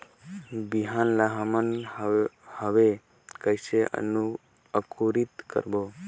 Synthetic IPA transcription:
biɦanlaɦamən | həʋe | kəjseʔə̰nu | əkʰuɾit̪kə̰ɾbo

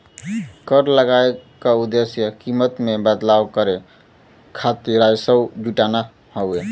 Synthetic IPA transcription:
kəɾləɡaekaud̪esjəkimət̪mebəd̪lawkəɾe | kʰat̪iɾajsəd͡ʒuʈana | hɔwe

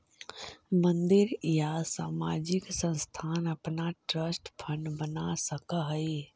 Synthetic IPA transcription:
mə̃nd̪ɪɾjasaːmaːd͡ʒɪksə̃nst̪ʰaːnɐpnaʈɾəsʈpʰənbənasəkəɦəi

